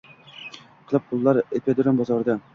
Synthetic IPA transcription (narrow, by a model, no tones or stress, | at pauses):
qʰɨlˠɨp̚qʰʊlˠːaɾepʰʲed̪ɾonbɒzɒɾd̪a